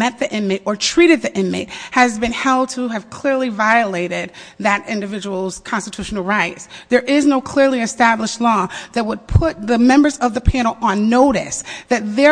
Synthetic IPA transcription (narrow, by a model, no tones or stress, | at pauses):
ɛt̪̚ðiʔɪ̃nmeɪɾə˞tʰɹ̥iɾɨd̪̚ðiʔɪ̃nmeɪt̚hɨzbɨ̃nhɛlˠd̚tʰəːv̥kʰl̥ɪɹlivaɪɨleɪɾɪd̪̚ðɨɾɪ̃ndɨvɪd͡ʒəwl̩ˠz̥kʰɑ̃nstɨtʰʉʃn̩l̩ˠɹaɪtsðə˞ʔɪznoʊkʰl̥ɪɹlˠiɨstæbləʃtˡlɔðɨt̚wəd̚pʰʊt̪̚ðɨmɛ̃mbə˞zʌvðɨpʰæñl̩ˠə̃nːoʊɾɨ̰sðɨt̪̚ðə